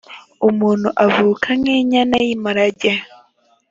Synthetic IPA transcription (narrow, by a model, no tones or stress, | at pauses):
umuːn̤uʔavuːkʰaŋeɲanajimaɾaɟe